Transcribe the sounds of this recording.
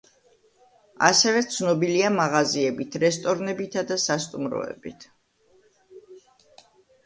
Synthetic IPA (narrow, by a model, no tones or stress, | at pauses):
a̰sɛvɛt̪sʰnɔbiliamaʁaziɛbit̪ʰɾɛst̪ʼɔɾnɛbit̪ʰad̪asast̪ʼumɾɔ̰ɛ̰bit̪ʰ